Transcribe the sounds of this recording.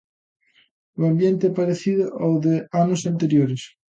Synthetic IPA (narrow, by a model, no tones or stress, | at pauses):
uambjent̪ɪpaɾeθiðʊʔawðeanʊsant̪eɾjoɾes